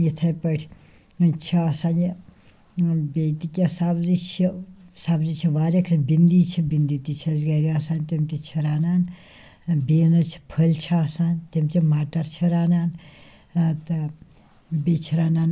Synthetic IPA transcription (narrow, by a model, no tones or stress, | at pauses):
jit̪ʰɐjpəʈʲʰi | t͡ʃʰiɐsaːni | bet̪ikʲjasabzit͡ʃʰisabzit͡ʃʰiʋaːɾʲɐkʰɐbind̪iːt͡ʃʰibind̪it̪it͡ʃʰɐzɡɐɾiɐsaːnt̪imt̪ʲit͡ʃʰiɾaːnaːn | biːnɐt͡ʃʰi̥pʰəlʲt͡ʃʰiɐsaːnt̪imt̪ʰimaːʈɐɾt͡ʃʰiɾaːnaːn | t̪ɐ | bet͡ʃʰiɾaːnaːn